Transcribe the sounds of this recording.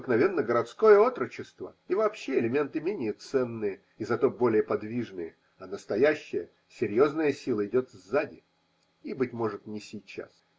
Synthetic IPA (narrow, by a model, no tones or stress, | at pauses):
əknɐvʲe̞nːəɡəɾɐt̪sko̞jəo̞t̪ɾət͡ɕɪst̪vəivɐːpɕːeɪlʲɪmʲe̞nt̪ɨmʲenʲɪjət̪sɛnːɨjə | izɐt̪o̞bo̞lʲɪjəpɐd̪vʲiʐnɨjə | ɐnəst̪ɐjæɕːɪjə | sʲɪɾʲjo̞znəjəsʲilˠəɪdʲo̞t̪vzːadʲɪ | ibɨtʲmo̞ʐɨt̪nʲɪsʲijt͡ɕːa̰s